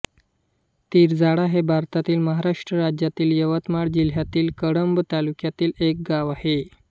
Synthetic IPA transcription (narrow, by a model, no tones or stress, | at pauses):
t̪iːɾd͡zaɽaɦebʱaɾt̪at̪iːlməɦaɾaʂʈɾəɾad͡ʑjat̪iːljəʋət̪maɽd͡ʑiljat̪iːlkəɽəmbt̪alukjat̪iːlek̚ɡaʋahe